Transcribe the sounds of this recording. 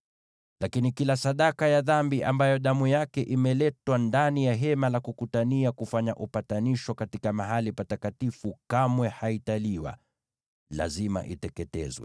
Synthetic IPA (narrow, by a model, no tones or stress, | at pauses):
lakinikilasaɗakajaðambiʔambajɔɗamujakɛʔimɛlɛtwandanijaɦɛmalakukutaniakufaɲaʔupataniʃwakatikamaɦalipatakatifukamwɛhaitaliwa̰ | la̰zima̰ʔitɛkɛtɛ̰zwɛ̰